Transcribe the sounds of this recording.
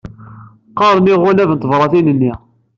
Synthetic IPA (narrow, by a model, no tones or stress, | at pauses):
qːɑɾˤmiʁʊlævənt̪vɾˤɑθinənːi